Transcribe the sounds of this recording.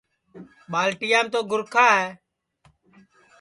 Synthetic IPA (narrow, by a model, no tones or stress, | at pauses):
ɓaːlʈɪːjaːmt̪oːɡʱʊɾkʰaːɦɛː